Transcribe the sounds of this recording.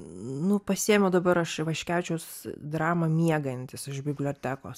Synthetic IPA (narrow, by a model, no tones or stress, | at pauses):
nʊpɐsʲiɛmʲod̪ɐbɐɾɐʃʋɐʃʲkʲæʊt͡ʃʲɛʊsd̪ɾɑːmɐmʲiɛɡɐnʲt̪ʲɪsɪʒbʲɪbʲlʲoːt̪ʲæːkoːs